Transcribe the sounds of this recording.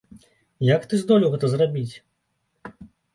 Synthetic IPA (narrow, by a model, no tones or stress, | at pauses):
jakt̪ɨzd̪ɔlʲiwɣɛt̪ɐzrabʲit͡sʲ